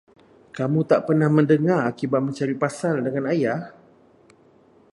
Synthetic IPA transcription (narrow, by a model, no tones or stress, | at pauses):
kamũt̪aʔpərnahmə̃ndəŋarakibat̪̚mə̃ɲt͡ʃaɾipasaldəŋanajah